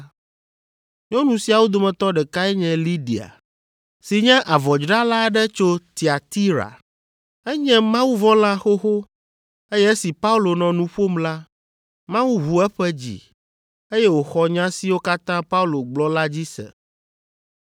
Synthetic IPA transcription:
ɲɔ̃˦nũ˨si˨a˨wo˦d̪o˨mɛ̃˨t̪ɔ˦ɖɛ˨ka˦ɛ˦ɲɛ̃˦li˦ɖi˨a̰˨ | si˨ɲɛ̃˦ʔa˨vɔ˨d͡ʒɾa˦la˦ɖɛ˦t͡ʃo˦t̪i˨a˨t̪i˦ɾa̰˨ | ɛ˦ɲɛ̃˦mã˦wu˦vɔ̃˦la˦xo˦xo˦ | e˦jɛ˦e˦si˨pa˦u˦lo˨nɔ̃˨nũ˦ɸo˦mla˦ | mã˦wu˦ɦu˨ɛ˦ɸɛ˦d͡ʑḭ˨ | e˦jɛ˦wo˨xɔ˦ɲã˦si˨wo˦ka˦t̪ã˦pa˦u˦lo˨ɡ͡blɔ˦la˦d͡ʑi˦sɛ̰˨

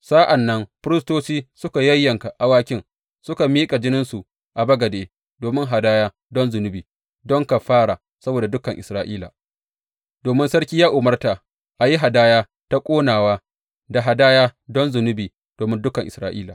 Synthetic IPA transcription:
sa˦ʔa˨nːɐ˦mɸɾɪ˦stoː˦siː˦sʊ˦ka˨jɐ˦jːɐ˨ŋka˨ʔa˨waː˦kʲɪ˦ŋ | sʊ˦ka˨miː˦kʼa˨d͡ʒɪ˦nɪ˦nsu˨ | ʔa˨bɐ˦ɡɐ˨deː˨ | doː˨mɪ˦ŋɦa˨daː˦jaː˦ | dɔ˦nzʊ˨nʊ˦biː˨ | dɔ˦ŋka˨ɸaː˦ɽa˨ | sɐ˦boː˨da˨dʊ˦kɐ˨ŋʔɪ˨sɾaː˨ʔiː˦la̰˨ | doː˨mɪ˦nsɐ˦ɽkʲiː˦jaː˦ʔʊ˨mɐ˦rta˨ | ʔa˨ji˦ɦa˨daː˦jaː˦ | ta˦kʷʼoː˦naː˨waː˦ | da˨ɦa˨daː˦jaː˦dɔ˦nzʊ˨nʊ˦biː˨ | d̥oː˨mɪ˦ndʊ˦kɐ˨ŋʔɪ˨sɾaː˨ʔḭː˦la̰ː˨

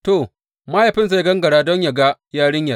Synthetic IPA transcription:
to˨ | maː˦ja˨ɸɪ˦nsa˦jɡɐ˦ŋɡɐ˨ɽaː˦dɔ˦ɲja˨ɡa˦jaː˦ɽɪ˦ɲja˨˦

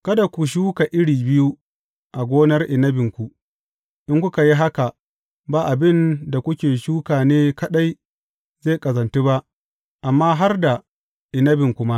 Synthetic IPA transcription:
kɐ˦da˨kʷu˨ʃ̬uː˦ka˨ʔɪ˦ɽiː˨bɪ˦ju˦ | ʔa˨ɡʷoː˦nɐ˦rʔɪ˨nɐ˦bɪ˨ŋkʷu˨ | ʔɪ˦ŋkʷʊ˦ka˨ji˦ɦa˦ka˨ | baː˦˨ʔa˨bɪ˦nda˨kʷʊ˦kʲeː˨ʃuː˦kaː˨neː˦kɐ˦ɗa˦j | ze˦˨kʼɐ˨zɐ˨nte˦ba˦ʔ | ʔa˨mːaː˦ɦa˦rda˨ | ʔɪ˨nɐ˦bɪ˨ŋkʷʊ˦ma˦ʔ

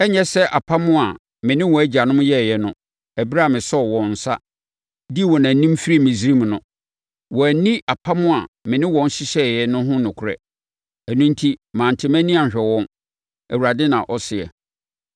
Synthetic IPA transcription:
ɛ˦ɲɛ˦sɛ˦ʔa˨pʰa˦mʊ̃˦a˨ | mɪ̃˨nɪ̃˦wɔ̃˨æ˦d͡ʑa˨nʊ̃˦m˦jɛ˦˨jɛ˦nʊ̃˦ | æ˨bɾa˦˨mɪ̃˨sɔ˦ɔ˨wɔ̃˨n̩˨sa̰˦ | di˦˨wɔ˨nã˨nĩ˦m˦fi˦ɾi˦mĩ˨si˦ɾi˦m˨nʊ̃˦ | wɔ˨æ˨nĩ˦ʔa˨pʰa˦mʊ̃˦a˨mɪ̃˨nɪ̃˦wɔ̃˨n˦ɕɪ˦ɕɛ˦˨jɛ˦nʊ̃˦ɦʊ̃˦nʊ̃˨kʰʊ˨ɾɛ̰˦ | æ˨nũ˦n˦tʰi˦mãː˨n̩˨tʰɪ˦mæ̃˦nĩ˦a˨ɕᶣɛ˨wɔ̃˦n | æ˨wu˨ɾa˨dɪ˦nã̰˨ʔɔ˦sɪ˨ɛ̰˨

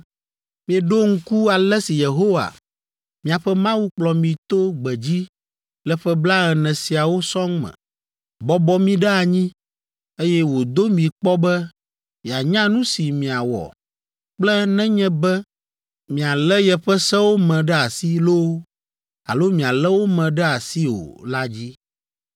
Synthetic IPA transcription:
mĩ˨ɛ˨ɖo˦ŋ̩˦ku˦a˨lɛ˦si˨je˨ɦo˦wa̰˨ | mĩ˨a˨ɸɛ˦mã˦wu˦k͡plɔ˨mĩ˨t̪o˦ɡ͡bɛ˨d͡ʑi˦ | lɛ˦ɸɛ˦bla˦ɣɛ˨nɛ̃˨si˨a˨wo˦sɔ̃˦ŋmɛ̰̃˨ | bɔ˦bɔ˦mĩ˦ɖɛ˦a˨ɲĩ˦ | e˦jɛ˦wo˨d̪o˦mĩ˨k͡pɔ˦bɛ˦ | mi˨a˨ɲã˦nũ˦si˨mĩ˨a˨wɔ̰˨ | k͡plɛ˦nɛ̃˦ɲɛ̃˦bɛ˦ | mĩ˨a˨lɛ˦jɛ˨ɸɛ˦sɛ˦wo˦mɛ̃˨ɖɛ˦a˨si˦lo˦ | a̰˨lo˦mĩ˨a˨lɛ˦wo˦mɛ̃˨ɖɛ˦a˨si˦o̰˨la˦d͡ʑi˦

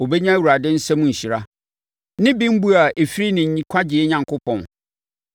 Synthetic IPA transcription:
o˨bɛ˦ɲã˦wu˨ɾa˨dɪ̃˦n̩˦sɛ˦mʊ̃˨ɲ̩˨ɕi˨ɾa˦ | nɪ̃˦bĩ˦m̩˦bu˦a˨ʔe˨fi˦ɾi˦nɪ̃˨ɲ˨ɲĩ˨kʷʰa˦d͡ʑɪ˨ɛ˦ɲã˨ŋkʰʊ˦pʰɔ̃˨n

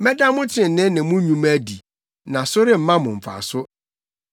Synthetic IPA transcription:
mɛ˦da˦mʊ̃˦tʰɪ̃˨n̩˨nɪ̃˦nɪ̃˨˦mʊ̃˦ɲũ˦mæ˦di˨ | nã˨sʊ˦ɾɪ˦m̩˨˦mã˦mʊ̃˨m̩˨fa̰˨sʊ˦

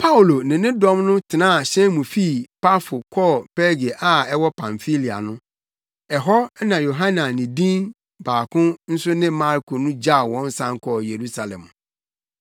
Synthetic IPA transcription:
pʰa˦u˨lo˨nɪ̃˨nɪ̃˦dɔ̃˦mnʊ̃˦tʰɪ˨nãː˦˨ɕɛ̃˦mũ˨fi˦pa˦fʊ˨kʰɔ˦˨pɛ˦ɾɡe˨ʔa˦ɛ˦wɔ˦pʰã˨ɱfi˦li˨a̰˨nʊ̃˦ | ɛ˨ɦɔ˦nã˨jo˨ɦã˦nã˨nɪ̃˨dĩ˦n | baː˨kʰʊ̃˦n̩˦sʊ˦nɪ̃˦mã˦ɾkʰo˨nʊ̃˦d͡ʑa˦˨wɔ̃˦n˦sã˦ŋkʰɔ˦˨je˨ɾu˦sa˨lɛ̰̃˨m˨

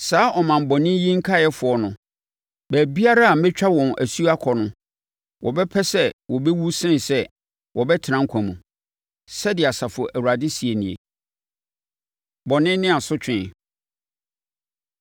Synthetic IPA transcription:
saː˨˦ʔɔ˨mã˨m˨bɔ˨nɪ̃˦jĩ˦ŋ̩˦kʰa˦˨jɛ˦fʊ˨ɔ˨nʊ̃˨ | bæː˨bi˦a˦ɾa˦a˨˦mɪ̃˦t͡ɕᶣa˦wɔ̃˨nʔæ̰˨su˦a˦kʰɔ˨nʊ̃˨ | wʔɔ̰˨bɛ˦pʰɛ˦sɛ˦wɔ˨bɛ˦wu˦sɪ̃˦nsɛ˦ | wʔɔ˨bɛ˦tʰɪ˨nã˦ŋ̩˦kʷʰã˨mṵ̃˨ | sɛ˦dɪ˨a˨sa˨fʊ˨ɔ˨ʔæ˨wu˨ɾa˨dɪ˦si˨e˨nĩ˨ḛ˨ | bɔ˨nɪ̃˦nɪ̃˦a˨sʊ˦t͡ɕᶣɪ̃˨

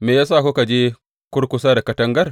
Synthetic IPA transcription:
me˨ja˦s̬aː˦˨ko˦ka˨d͡ʒi˦ | kʊ˦ɾkʊ˦s̬aː˦da˨kɐ˦tɐ˦ŋɡɐ˦r

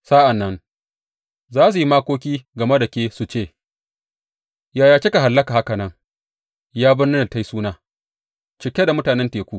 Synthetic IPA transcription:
sa˦ʔa˨nːɐ˦n | zaː˦s̬u˨ji˦maː˦kʷoː˦kʲiː˦ɡɐ˨me˦da˨kʲeː˦su˨t͡ʃeː˦˨ | jaː˨jaː˨t͡ʃe˦ka˨ɦa˨lːɐ˦ka˨ha˦kɐ˨nɐ˦ŋ | jaː˦bɪ˦nnɪ˦na˨ta˦jsuː˦naː˦ | t͡ʃɪ˨kʲe˦da˨mʊ˦taː˨nɛ˦nteː˨kʷuː˦

